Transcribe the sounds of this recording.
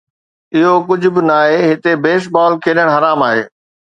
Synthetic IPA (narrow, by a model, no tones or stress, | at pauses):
ɪɦokʊd͡ʑʱʊ̆bɪnaːɦeːɦɪt̪ebeːʃbaːlkʰeːɗəɽ̃ɦɐɾaːmaːɦḛː